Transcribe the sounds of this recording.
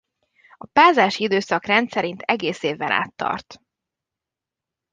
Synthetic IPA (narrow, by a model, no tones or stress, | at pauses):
ɒpaːzaːʃiid̪øːsɒkrɛnt̪sɛɾint̪ʰɛɡeːseːvːɛna̰ːt̪ːɒ̰rt̪